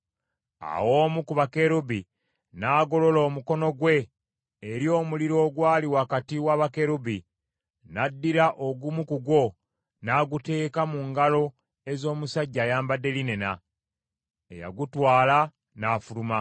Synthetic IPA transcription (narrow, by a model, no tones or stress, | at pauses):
a̰wo̞ːmukuβake̞ɾubi | naːɡo̞lo̞lo̞ːmuko̞no̞ɡwe̞ː | ɾjo̞ːmuliɾo̞ːɡwaːliwakatiwaβake̞ɾubi | nadːiɾaʔo̞ɡumukuɡwo̞ | naːɡute̞ːkamuŋɡalo̞ | e̞zo̞ːmusaɟːajaːmbadːe̞line̞na | ḛja̰ɡutwaːla | naːfuluma